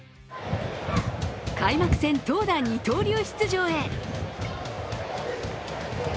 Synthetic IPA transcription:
kaimakɯ̟̥sẽ̞nt̪o̞ːd̪aɲ̟ːit̪o̞ːɾʲo̞ːçi̥t͡sɨʑo̞ːe̞

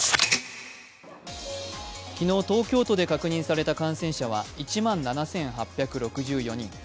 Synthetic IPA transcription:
kʲino̞ːt̪o̞ːkʲo̞ːt̪o̞d̪e̞kakɯ̟ɲ̟ĩɰ̃saɾe̞t̪akãɰ̃sẽ̞ɰ̃ɕaβ̞a̰it͡ɕimãnːanasẽ̞ɰ̃ɦapʲːjakɯ̟ɾo̞kɯ̟ʑɨːjo̞ɲ̟ḭ̃ŋ

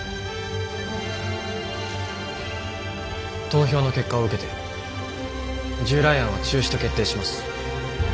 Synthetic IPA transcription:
t̪o̞ːço̞ːno̞ke̞kːaoɯ̟ke̞t̪e̞ | d͡ʑɨːɾaiãɰ̃βat͡ɕɨːɕi̥t̪o̞ke̞t̪ːe̞ːɕimasɨ̥

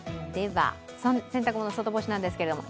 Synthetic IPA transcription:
d̪̥e̞βa̰ | sosẽnt̪akɯ̟mo̞nosot̪o̞bo̞ɕinãnd̪esɨ̥ke̞ɾed̪o̞mo̞̰

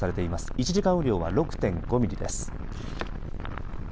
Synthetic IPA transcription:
aɾe̞t̪e̞imasɨ̥it͡ɕiʑikãɯ̟ɾʲo̞ːβaɾo̞kɯ̟̥t̪ẽ̞ŋɡo̞mʲiɾʲid̪e̞sɨ̥

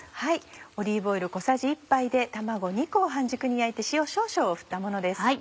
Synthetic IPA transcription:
haio̞ɾʲiːbo̞iɾɯ̟ko̞saʑiːpːaid̪e̞t̪amaɡo̞ɲ̟iko̞ːɦãɲ̟d͡ʑɨkɯ̟ɲ̟iait̪e̞ɕijo̞ɕo̞ːɕo̞ːɸɯ̥t̪ːamo̞no̞d̪e̞s

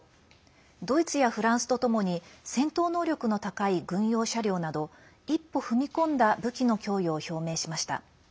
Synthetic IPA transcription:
d̪o̞it͡sɨjaɸɯ̟ɾãɰ̃sɨ̥t̪ot̪o̞mo̞ɲ̟isẽ̞nt̪o̞ːno̞ːɾʲo̞kɯ̟no̞t̪akaiɡɯ̟̃ɰ̃jo̞ːɕaɾʲo̞ːnad̪o̞ | ipːo̞ɸɯ̟mʲikõ̞nd̪abɯ̟kʲino̞kʲo̞ːjoːço̞ːme̞ːɕimaɕi̥t̪a̰

